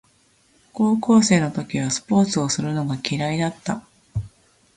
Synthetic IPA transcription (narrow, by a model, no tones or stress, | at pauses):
koːko̞ːse̞ːno̞t̪o̞kʲiβ̞asɨ̥po̞ːt͡sɨo̞sɨɾɯ̟no̞ɡakʲiɾaid̪at̪ːa